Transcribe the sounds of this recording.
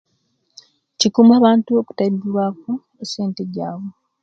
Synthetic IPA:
cikumaːβaːntuoku̥taɾibuɾwaːku | ese̞ːnte̞ɟa̰ːwo

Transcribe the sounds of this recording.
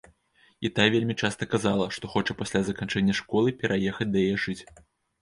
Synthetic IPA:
kʲit̪ajvʲelʲmʲit͡ʂast̪ɐkazalˠɐʂt̪ɔxɔt͡ʂɐpasʲlʲazɐkant͡ʂɛnʲːɐʂkɔlˠɨpʲɛɾʔajɛxɐt͡sʲd̪ɐjɐjɛʐɨt͡sʲ

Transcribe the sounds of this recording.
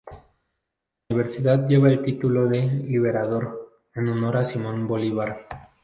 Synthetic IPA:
iβe̞ɾsiðað̚ɟ͡ʝe̞βaelt̪it̪ulo̞ðe̞liβ̞e̞ɾað̞o̞ɾ | enono̞ɾasimõ̞nbo̞liβ̞aɾ

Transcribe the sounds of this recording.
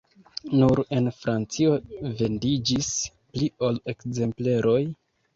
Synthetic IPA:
nuɾe̞nfɾant͡sio̞ve̞ndid͡ʒis | plio̞le̞kze̞mple̞ɾʔo̞j

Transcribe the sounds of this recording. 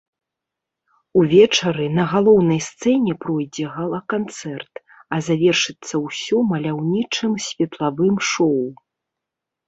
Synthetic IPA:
uvʲɛt͡ʂɐɾɨnɐɣalˠɔwnɐjst̪sɛnʲɛpɾɔjd͡zʲɛɣalˠɐkant̪sɛrt̪ | ɐzavʲɛrʂɨt̪sːɐwsʲɔmɐlʲawnʲit͡ʂɨmsʲvʲɛt̪lˠavɨmʂɔw

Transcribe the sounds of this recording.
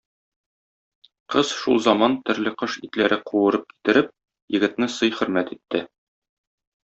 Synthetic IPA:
qɤzʃulˠzɒmɑnt̪ɵ̆ɾlɘqɤʃit̪læɾɘquwɤ̆ɾɤp̚ki̥t̪ɘ̆ɾɘp̚ | jɘ̆ɡɘ̆t̪nɘsɤjχɵ̆ɾmæt̪it̪ːɘ

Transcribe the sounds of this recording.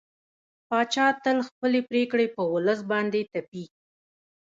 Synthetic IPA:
pɑt͡ʃɑt̪əlxpəlepɾekɽepəwʊləs̬bɑnd̪et̪api

